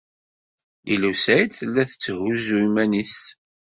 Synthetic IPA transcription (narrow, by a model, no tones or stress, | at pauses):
ilusæjd̪θəlːæθə̥t͡sːəɦuzuimænis